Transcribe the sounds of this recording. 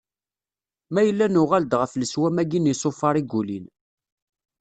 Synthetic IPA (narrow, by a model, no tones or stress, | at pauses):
mæjəlːænʊʁæld̪ʁəfləswæmæɡinjisˤofɑɾˤiɡːulin